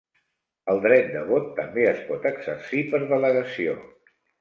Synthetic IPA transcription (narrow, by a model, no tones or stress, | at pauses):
əlˠd̪ɾɛt̪̚d̪əβot̪ːəmbeəspɔt̪əɡz̥ə̰ɾsipəɾðələɣəsio̰